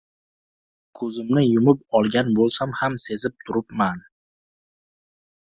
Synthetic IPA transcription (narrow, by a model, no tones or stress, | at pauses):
kʰɵzɪmnɪjʊmɪp̚ɒlˠɡʲanbolˠsamhamse̞zɪp̚t̪ʰʊɾɪpman